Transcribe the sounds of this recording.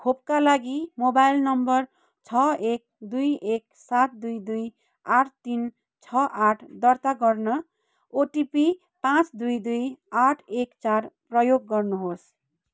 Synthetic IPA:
kʰopkalaɡimobajlnʌmbʌr | t͡sʰʌek̚d̪ujek̚ | sat̪̚d̪ujd̪uj | aʈʰt̪in | t͡sʰʌʔaʈʰd̪ʌrt̪aɡʌrnʌ | oʈipi | pãt͡sd̪ujd̪ujaʈʰekt͡sarprʌjoɡːʌrnuɦos

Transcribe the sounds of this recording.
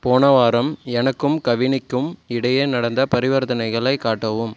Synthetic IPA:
poːnɐʋaːɾɐmɛnɐkːɯmkɐʋɪnɪkːɯmɪɽɐjeːnɐɽɐnd̪ɐpɐɾɪʋɐɾt̪ɐnɐɪɣɐɭɐɪkːaːʈːɐʋɯm

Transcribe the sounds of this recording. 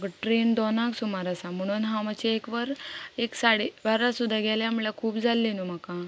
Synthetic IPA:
ɡʈɾend̪ɔnãksumaɾasam̤əɽ̃uːnɦãmat͡ɕiekʋəɾeksaɽeʋaɾasud̪ʱːaɡɛljamlakʰuːpd͡zʱalːenumaka

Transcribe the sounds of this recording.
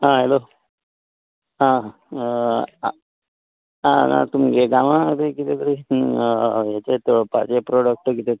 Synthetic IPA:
ɦãɦelo | ɦã | ãna̰t̪umɡeɡaʋãk̪əikit̪ek̪əɾi | ɦet͡ɕet̪pa̰d͡ʑepɾoɽək̚ʈkit̪e

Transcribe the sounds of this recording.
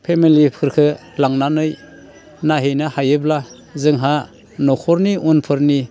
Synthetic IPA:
pʰemilipʰɯɾkʰɯ | laŋnanɯj | naɦejnahajɯbla | zɯŋɦa | nɔkʰɔɾniʔunpʰɯɾni

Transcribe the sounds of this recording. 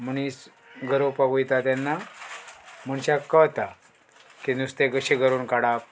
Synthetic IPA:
məñis | ɡʱəɾopaɡujt̪at̪janːa | m̤əɳɕakət̪a | kinust̪eɡəɕiɡəɾuːnkaɽap

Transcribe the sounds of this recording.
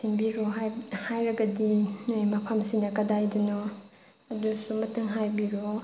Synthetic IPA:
sʰiŋbiɾɔɦhajɾɐɡɐdinajmɐpʰamsinɐkɐdajdinɔ | ɐdusumɐtɯŋɦajbiɾɔ

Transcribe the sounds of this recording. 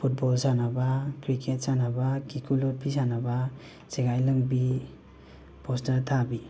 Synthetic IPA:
pʰut̚bɔlsanabakɾikʰet̚sanabakikʰulɔt̚pʰisanaba | seɡajləŋbi | pɔstaɾtʰabi

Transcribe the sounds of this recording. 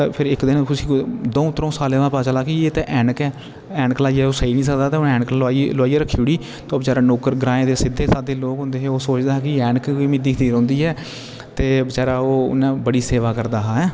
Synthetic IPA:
pʰɪɾɪkd̪ɪnkʊsĩːkd̪õːũːt̪əɾõːsaːleːʋãːpaːt͡ʃalaːkiːeːt̪eːʔɛːɳəkɛː | ɛːɳklaːiɛːoːsəiːnĩːs̬əkd̪aːt̪eːʊnɛːɳkːaːilaːiɾəkʰːiːʊɽiː | t̪õːbət͡ʃaːɾaːnoːkəɾɡɾãːẽːd̪eːsɪd̪eːsaːd̪eːloːkɦʊ̃nd̪eːɦeːoːsoːt͡ʃd̪aːɦɛːkɪɛːɳkːoiːmɪd̪iːkʰt̪iːɾõːnd̪iːɦɛː | t̪eːbət͡ʃaːɾaːo̰ːnɛ̃ːbəɽiːseːʋaːkəɾd̪aːɦaːɦɛː

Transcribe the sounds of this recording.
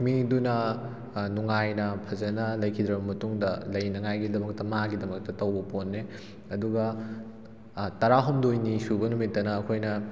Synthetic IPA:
midunɐ | nuŋajnɐpʰɐzɐnɐlɐjkʰid̪ɾɐbɐmɐtuŋdɐlɐjnɐŋajɡidɐmɐk̚tɐmaɡidɐmɐk̚tɐtɐwbɐponːe | ɐduɡɐ | tɐɾaɦomdojnisubɐnumitːɐnɐːkʰojnɐ

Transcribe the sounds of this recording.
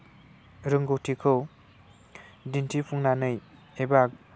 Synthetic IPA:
ɾɯŋɡɯwtʰikʰɯw | dintʰipʰuŋnanɯj | ebak̚

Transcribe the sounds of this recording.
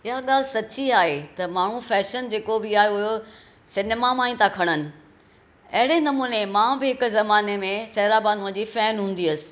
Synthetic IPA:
ɪɦaɠaːlɪsɐt͡ɕiaːɦet̪ɐmaːɳ̤ũfɛːʃənd͡ʑeːkobɪaːɦeʊɦjo | sɪneːmamãːĩt̪akʰɐɽ̃ənɪ̆ | ɐɦɪɽenɐmuːnemãːbɪɦɪkzɐmaːnemẽsɛːɾabaːnũə̃d͡ʑiːfɛːnɦũːn̆d̪iɐsɪ̥̆

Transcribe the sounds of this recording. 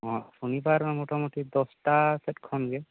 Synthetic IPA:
ɦɔ̃sunibaɾmɔtɔmutid̪ɔstasɛtkʰɔnɡɛ

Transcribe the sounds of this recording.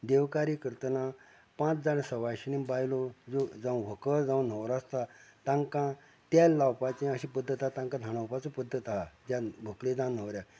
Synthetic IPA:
d̪eʋkaɾikəɾt̪na | pãt͡sd͡zansəʋajɕinibajilod͡zod͡zãw̃ʋʱəkəld͡zãwn̤əwɾast̪at̪ãŋkã | t̪jalːawpat͡ɕẽəɕĩpəd̪ʱːət̪at̪ãŋkãd̪ʱaɽ̃awpat͡sopəd̪ʱːət̪ad͡ʑjabʱəkled͡zãn̤əwɾja

